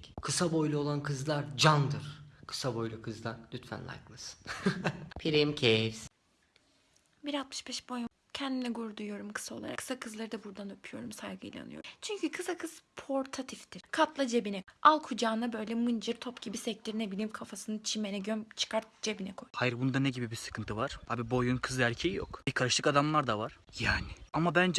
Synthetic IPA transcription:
kʰɯsabo̞jlʲˠuo̞lˠankʰɯzlˠaɾd͡ʒand̪ɯɾ̥kʰɯ̥sabo̞jlʲˠukʰɯzlˠaɾlʲyt̪fæ̰nlˠa̰jklˠasɯ̥n̥ | pʰiɾimcʰeɾz̥ | biɾalt̪̚mɯ̥ʃbɛʃbo̞jum | cʰɛnd̪inɛɡuɾd̪ujo̞ɾumkʰɯ̥sao̞lˠa̰ɾa̰kʰːɯ̥sakʰɯzlˠaɾɯd̪abuɾd̪anøpʰyjo̞̰ɾumsajɡɯ̰jlʲˠa̰nɯjo̰t͡ʃʰyɲcykʰɯsakʰɯz̥pʰo̞ɾt̪ʰat̪ʰift̪iɾ̥kʰat̪lˠad͡ʒe̞binɛʔalˠkʰud͡ʒaːnabø̞jlʲɛmɯnd͡ʒɯɾt̪ʰo̞pɟ̥ibisɛc̚t̪ʲiɾnebilʲiːmkʰafasɯnɯt͡ʃʰimenɛɟønt͡ʃʰɯ̥kʰaɾt̪̚d͡ʒe̞binɛkʰojhajɯɾbund̪anɛɟibibisɯ̥kʰɯnt̪ʰɯvaɾ̥aːbibo̞junkʰɯzæɾʲcʰejijo̰kb̥ikʰaɾɯʃt̪ˠɯkad̪amlˠaɾd̪avaɾ̥jaːniamabænd͡ʒ

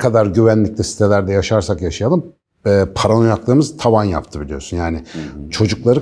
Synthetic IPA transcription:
kʰad̪aɾɟyβænlʲic̚lʲɛsi̥t̪ʰelʲæɾd̪ɛjaʃaɾsakjaʃajalˠɯm | ɛːpʰaɾanojaklˠɯːmɯzt̪ʰavanja̰pt̪ʰɯbilʲijo̞ɾsunjaːnɪt͡ʃʰo̞d͡ʒuklˠaɾɯ

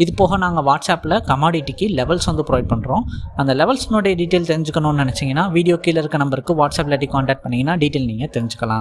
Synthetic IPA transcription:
ɪðɯpoːɣɐnaːŋɡɐʋaːʈsaːpːlɐkɐmaːɽiʈːikːɯlɛʋɐlsʋɐnd̪ɯpɾoːɪʈ̚pɐɳːɾõːɐnd̪ɐlɛʋɐlsɪnoːɽɐjɐɖiːʈeːlt̪ɛɾɪɲd͡ʒɯkːɐnʊ̃nnɪnɛt͡ʃːɪŋɡɐnːaːʋiːɽɪjoːkiːlɐɪɾɯkːɯnɐmbɐɾɯkːɯʋaːʈsaːplɐʈːikaːɳʈɛːk̚ʈ̚pɐɳːɪŋɡɐnːaːɖiːʈeːlniːŋɡɐt̪ɛɾɪɲd͡ʒɯkːɐlãː

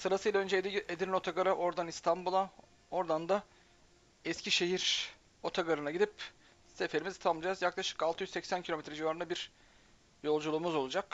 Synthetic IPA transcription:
sɯɾasɯjlaø̞nd͡ʒeed̪iɾino̞t̪ʰaɡaɾɯʔo̞ɾd̪anist̪ʰanbulˠa | o̞ɾd̪and̪a | ɛscʰiʃe̞ɦiɾ | o̞t̪ʰaɡaɾɯnaɟid̪ip | sefe̞ɾimiz̥t̪ʰammˠd͡ʒazjaklˠaʃɯ̥kalˠt̪ɯjyzsɛcsæncʰlʲo̞met̪ʰɾɛd͡ʒivaːɾɯnabiɾ̥ | jo̞lˠd͡ʒulˠuːmuzo̞lˠud͡ʒak

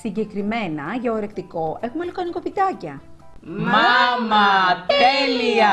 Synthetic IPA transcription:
siɲɟe̞kɾime̞nɐʝɐoɾe̞kt̪iko̞e̞xumelokɐniko̞pit̪ɐcɐ | mɐmɐeliɐ

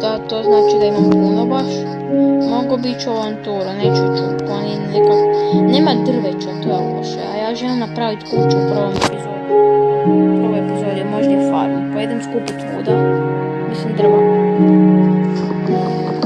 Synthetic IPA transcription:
d̪at̪oznaːt͡ʃid̪aimampunobaʃ | moɡobit͡ʃuoʋant̪od̪aneːt͡ʃuot̪ut̪koninekakoneːmad̪r̩ʋet͡ʃot̪ojabaʃḛa̰jaːʒelimnapɾaʋit̪kut͡ʃopɾʋomnepizod̪i | oʋojepizod̪ijemoʒiefaɾnopojed̪emskuput̪ʋṵːd̪a | mislimd̪r̩ʋa

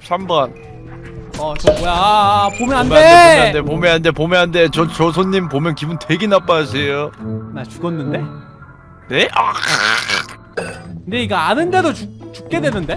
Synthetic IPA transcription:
sʰamban | ʌt͡ɕʌbojapomjʌnɦaneadepomjʌɦande̞pomjʌnɦande̞t͡ɕʌt͡ɕʌsʰoɲːimpomjʌnkibuntwe̞ɡenap͈asʰe̞jonat͡ɕuɡʌnːɯnde̞ | ne̞ʔa | kndeiɡaanɯnde̞dot͡ɕut͡ɕu̥p̚k͈e̞dwenɯnde̞

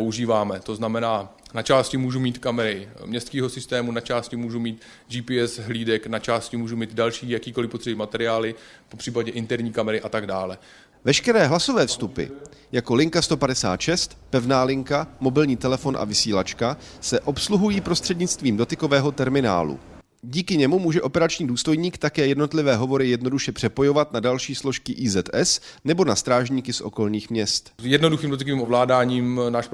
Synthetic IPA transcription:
pouʒiːvaːmɛt̪o̞znamɛnaːnat͡ʃaːscɪmuːʒumiːt̪kamɛɾɪmɲɛst̪kiːɦosɪst̪ɛːmunat͡ʃaːscɪmuːʒumiːt̪ | d͡ʒiːpiɛsɦliːdɛknat͡ʃaːscɪmuːʒumiːd̪dalʃiːjakiːkolɪpot̪r̥ɛbimat̪ɛɾɪaːlɪ | popr̥iːpaɟɛʔɪnt̪ɛɾɲiːkamɛɾɪʔat̪aɡdaːlɛ | vɛʃkɛɾɛːɦlaso̞vɛːfst̪upɪ̰ | jako̞lɪŋkast̪opadɛsa̰ːt̪ʃɛst̪pɛvnaːlɪŋkamo̞bɪlɲiːt̪ɛlɛfo̞nʔa̰vɪsiːlat͡ʃkasɛʔo̞psluɦujiːpɾo̞st̪r̥ɛdɲɪt͡st̪viːmdo̞t̪ɪko̞vɛːɦo̞t̪ɛɾmɪna̰ːlṵ | ɟiːkɪɲɛmumuːʒɛʔo̞pɛɾat͡ʃɲiːduːst̪o̞jɲiːkt̪akɛːjɛdno̞t̪lɪvɛːɦo̞vo̞ɾɪjɛdno̞duʃɛpr̥ɛpo̞jo̞vat̪nadalʃiːslo̞ʃkɪʔiːzɛt̪ʔɛsnɛbo̞nast̪ɾaːʒɲiːkɪsʔo̞̰ko̞lɲiːxmɲɛst̪jɛdnoduxiːmdot̪̬ɪkoviːmovlaːdaːɲiːmnaːʃp

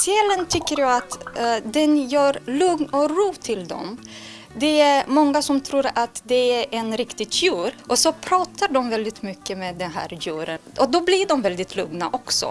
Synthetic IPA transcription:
sɪɛlːənt̪ʰʏkːəɾjɑat̪d̪ɛnjœːɾlɵŋnɔɾuːt̪ʰɪld̪ɔ̰m | d̪ɛæɾmɔŋːasɔmt̪ʰɾuːɾat̪d̪ɛæɾɛnɾɪkt̪ɪɡjʉːɾʔɔsɔpʰɾɑːt̪ʰaɖɔmvɛld̪ɪt̪mʏkːəmeːd̪ɛnɦæ̰ːɾjʉːɾənʔɔd̪ɔblɪɖɔmvɛld̪ɪt̪ʰlɵŋna̰ʔɔksɔ̰

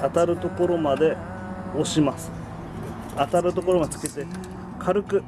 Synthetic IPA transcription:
at̪aɾɯ̟t̪o̞ko̞ɾo̞mad̪e̞ | o̞ɕimasɨ̥ | at̪aɾɯ̟t̪o̞ko̞ɾo̞mad̪et͡sɨ̥ke̞t̪e̞ | kʰaɾɯ̟kɯ̟

